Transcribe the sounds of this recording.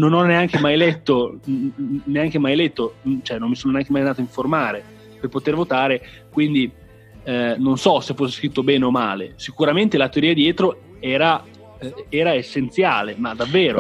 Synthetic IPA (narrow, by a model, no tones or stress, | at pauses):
nonɔnːeaŋk̟emajlɛt̪ːo | neaŋk̟emajlɛt̪ːot͡ʃoɛnːomːisoːnoneaŋk̟emajnaːt̪oiɱformaːɾe | perpot̪ervot̪aːɾe | kwind̪i | nonsɔsefːos̬ːeskɾit̪ːobɛːneomaːlḛsikuɾament̪elat̪eoɾiːad̪jɛːt̪ɾo | ɛːɾa | ɛːɾaesːent̪sjaːlemad̪avːeːɾo